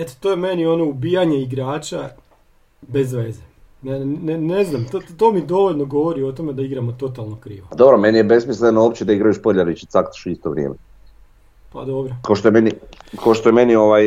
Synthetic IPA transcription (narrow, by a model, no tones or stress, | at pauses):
et̪o̥t̪ojeme̞nio̞no̞ubijaɲe̞iɡɾaːt͡ʃa | be̞zʋe̞ːze | naneneznamt̪ot̪o̞ːmid̪o̞ʋoʎʲno̞ɡo̞ʋoɾio̞t̪o̞me̞d̪aiɡɾamo̞t̪o̞t̪alˠnokɾḭːʋoad̪o̞bɾome̞nijebe̞smislenoop̚t͡ɕed̪aiɡɾajuʃpoʎʲaɾit͡ʃi̥t̪sakt̪ḁʃuist̪oʋɾʲjeːme | pa̰d̪o̞bɾokaoʃt̪ojemenikaoʃt̪ojemenioʋaj